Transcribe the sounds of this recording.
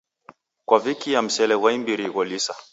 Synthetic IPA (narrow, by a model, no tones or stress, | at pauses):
kwavikijam̩sɛlɛwaimbiɾiɣɔlisa